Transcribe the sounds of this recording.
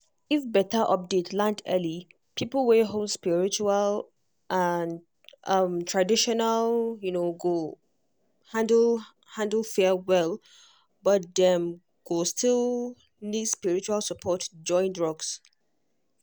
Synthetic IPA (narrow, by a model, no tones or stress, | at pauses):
ifbɛtəʔɔp̚detʰlãndʰɛ̰li | pʰipl̩ˠweɦolˠdspiɹit͡ʃual | ʔan | ʔʌmtʰɹ̥adiʃɔnaljunoɡo | hãndl̩ˠ | hãndl̩ˠfɛwɛlˠ | bʌt̚dɛ̃m | ɡ̥ostʰilˠ | nidspiɹit͡ʃualˠsəpʰɔtd͡ʒɔ̃ɪ̃ndɹɔɡs